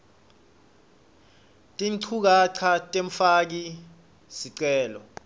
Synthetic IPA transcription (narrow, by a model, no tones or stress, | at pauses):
tʼiŋǀʰuk̬aǀʰatʼeɱ̩fak̬i | siǀɛːlɔ